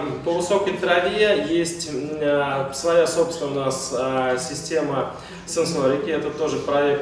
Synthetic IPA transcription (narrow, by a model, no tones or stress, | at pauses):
pəvɨso̞kəjt̪ɾɐvʲiejesʲtʲ | svɐjaso̞pst̪vʲɪnəʊnassʲɪsʲtʲemə | sɛnsoɾʲɪkʲɛt̪ət̪o̞ʐɨpɾɐɛk̚